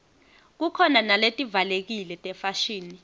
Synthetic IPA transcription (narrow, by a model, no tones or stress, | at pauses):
k̬ukʰɔnanaletʼivalek̬ilɛtʼɛfaʃiːni